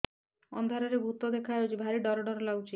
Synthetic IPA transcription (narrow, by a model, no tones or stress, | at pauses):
ɔ̰nd̪ʱaɾaɾebʱut̪ɔd̪ekʰaot͡ʃʰibʱaɾiɖɔɾɔɖɔɾɔlaɡwt͡ʃʰi